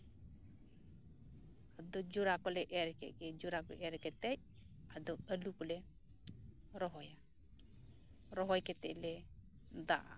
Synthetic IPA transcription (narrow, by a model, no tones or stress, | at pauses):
ad̪ɔd͡ʒuɾakɔlɛʔɛɾkɛ̰kɛd͡ʒuɾakɔ̰ʔɛɾkɛt̪ɛj̚ | ad̪ɔəlukɔlɛ | ɾɔɦɔja | ɾɔɦɔjkɛt̪ɛʔlɛ | d̪a̰ʔa̰